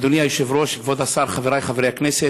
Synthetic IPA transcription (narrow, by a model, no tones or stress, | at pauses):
d̪onijajoʃevɾoʃikvod̪asaɾχaveɾajχaveɾejaknɛse